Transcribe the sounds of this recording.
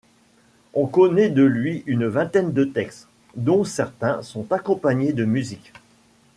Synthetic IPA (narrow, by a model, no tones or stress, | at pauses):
ɔ̃kɔnɛd̪əlɥiynvɛ̃t̪ɛnd̪ət̪ɛkst̪ | d̪ɔ̃sɛʁt̪ɛ̃sɔ̃t̪akɔ̃paɲed̪əmyzik